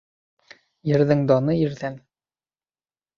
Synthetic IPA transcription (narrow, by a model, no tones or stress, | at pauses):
jɘ̆ɾðɘŋd̪ɒnɤiɾðæn